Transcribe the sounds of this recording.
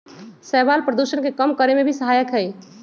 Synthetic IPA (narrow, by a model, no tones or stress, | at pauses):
sɛbalpɾəd̪usənkekəmkəɾemebʱisəɦajəkɦɛj